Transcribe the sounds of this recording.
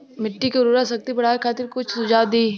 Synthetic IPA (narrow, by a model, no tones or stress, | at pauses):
mɪʈːikeɾuɾasɐk̚t̪ipɐɽ̤aːekʰaːt̪ɪɾkʊt͡ʃʰsʊd͡ʒaːd̪iː